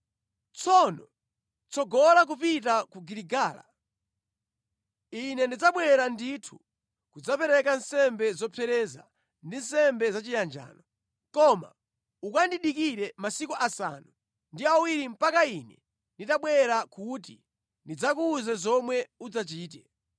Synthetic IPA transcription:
t͡sʰɔnɔ | t͡sɔɡɔlak̬upitakuɡiɾiɡaːla̰ | inɛndid͡zaɓwɛɾanditʰu̥ | kud͡zapɛɾɛkansɛmbɛzɔpʰɛɾɛza̰ | ndin̩sɛmbɛzat͡ʃijand͡ʒa̰ːnɔ | kɔma̰ | ukandiɗikiɾɛmasikuʔasa̰nu | ndiawiɾim̩pakainɛ | nditaɓwɛɾakut̬i | ndid͡zakuːzɛzɔmwɛud͡zat͡ʃiːt̬ɛ

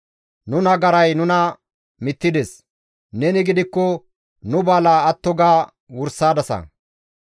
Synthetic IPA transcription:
nʊnɐɡɐɾɐjnʊnɐ | mɪt̪ːɪd̪ɛs | nɛnɪɡɪd̪ɪkːɔ | nʊbaːlaːɐt̪ːɔɡaː | wʊɾsaːd̪ɐsɐ̰

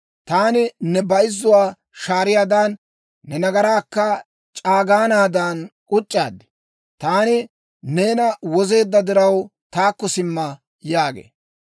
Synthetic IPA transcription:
t̪aːnɪnɛbɐjɪzːʊwaː | ʃaːɾɪjaːd̪anː | ɛnɐɡɐɾaːkːɐ | t͡ʃʼaːɡaːnaːd̪aːnkʼʊt͡ʃʼːa̰ːd̪ɪ̥ | t̪aːnɪ | neːnɐwɔze̞ːd̪ːɐd̪ɪɾɐwt̪aːkːɔsɪmːɐ | jaːɡḛː

